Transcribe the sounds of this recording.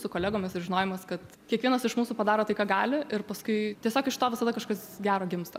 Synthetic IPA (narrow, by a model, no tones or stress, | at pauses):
sʊkoːlʲæːɡoːmʲɪsɪʒʲɪnoːjɛmɐskɐt̪ | kʲiɛkʋʲiɛnɐsɪʃmuːsuːpɐd̪ɑːɾoːt̪ɐɪkɑːɡɑːlʲɪʔɪɾpɐskʊɪt̪ʲiɛsʲoːkɪʃt̪oːʋʲɪsɐd̪ɐkɐʃkɐsɡʲæːɾoːɡʲɪmst̪o̰